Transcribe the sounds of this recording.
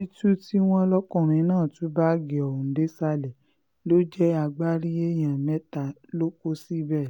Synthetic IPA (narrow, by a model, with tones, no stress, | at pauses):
i˦tu˦ti˦w̃ɔ̃˦lɔ˦kɔ̃˦˨ɾ̃ĩ˧˦nãː˦˨tũ˨˦ba˦ɡe˨ɔ˨õ˨n̩˨˦de˨˦sa˧˦lɛ˨ | lo˦d͡ʒɛ˦a˧ɡ͡ba˦ɾi˦e˦j̃ã˨mɛ˨˦ta˨ | lo˦ko˦si˦bɛ˦˨